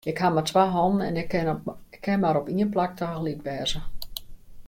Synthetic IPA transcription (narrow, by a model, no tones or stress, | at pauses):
ɪkhamatʋaɦɔnən̩ɛ̰n | kʰːɛmaɾɔpiənplak̚təxlitʋɛːzə